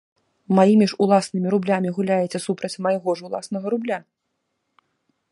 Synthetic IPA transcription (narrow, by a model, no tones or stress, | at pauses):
majimʲiʐulˠasnɨmʲiɾublʲamʲiɣulʲajɛt̪sʲɐsupɾɐt͡sʲmɐjɣɔʐulˠa̰snɐɣɐɾublʲa